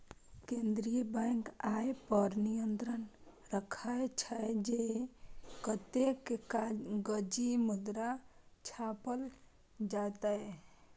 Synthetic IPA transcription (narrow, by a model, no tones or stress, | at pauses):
kend̪ɾijəbajŋkajpəɾnijənt̪ɾən | ɾəkʰajt͡ʃʰəd͡ʒe | kət̪ekeaɡəd͡ʒimud̪ɾat͡ʃʰapəl | d͡ʒat̪ae